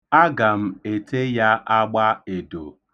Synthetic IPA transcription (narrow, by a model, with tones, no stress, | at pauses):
a˦ɡa˨m̩˦e˨tʰe˦ja˦ʔa˦ɡ͡ba˦e˨do̰˨